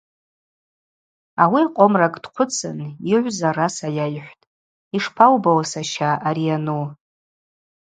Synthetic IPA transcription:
awiaqʷʼomrakʼd̥qʷʰʊt͡sʰɨ̰niʕʷzarasajajħʷtʼ | iʂpʰawbawasaʃaʔaɾianu

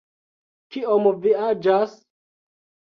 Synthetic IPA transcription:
kiomviad͡ʒas

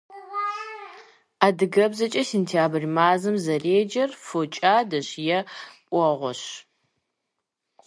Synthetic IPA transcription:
aːdɨɡɐbzɐt͡ʃʼɐsentʰijaːbrimaːzɨmzɐreːd͡ʒɐrfot͡ʃʼaːdɐɕjɛpʷʼɔʁʷɔɕ

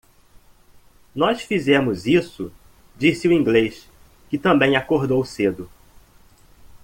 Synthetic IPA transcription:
nɔsfizɛ̃mʊzisʊ | d͡ʒisɪuĩŋɡleʃ | kɪt̪ɐ̃mbẽj̃akoɾd̪owsed̪ʊ

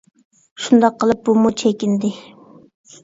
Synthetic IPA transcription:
ʃund̪ɑqʰːəlˠɨp̚bumut͡ʃʰɛkʲind̪ɪ

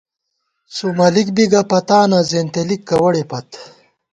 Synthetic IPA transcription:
sumɐlikbiɡɐpɐt̪aːnɐzeːnt̪elikːɐwɐɽepɐt̪

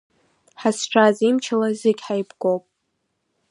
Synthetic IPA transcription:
ħasʈ͡ʂʷʰazimt͡ʃʰalazɨɡʲħajbɡʷowpʼ

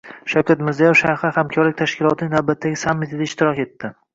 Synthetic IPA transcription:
ʃawkʲat̪mɪɾzijefʃaɾhɪhamkʰɒɾlɪk̚ʲt̪ʰaʃkʲɪlˠɒt̪ʰɪnɪŋnawbat̪ʰːaɡʲɪsamːɪt̪ʰɪd̪aɪʃt̪ʰɪɾɒke̞t̪ːɪ

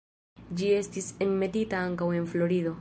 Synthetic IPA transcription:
d͡ʒie̞stiseŋme̞titaaŋkawe̞nflo̞ɾido̞

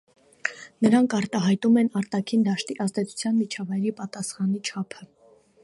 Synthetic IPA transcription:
nəɾɑŋkʰɑɾt̪ɑɦɑjt̪umɛnɑɾt̪ɑkʰind̪ɑʃt̪iʔɑzd̪ɛt͡sʰu̥t͡sʰjɑnmit͡ʃʰɑvɑjɾipɑt̪ɑsχɑnit͡ʃʰɑpʰə

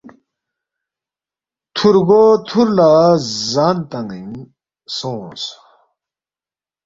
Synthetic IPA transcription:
t̪ʰuɾɡot̪ʰuɾlazaːnt̪aŋiŋ | sõːs

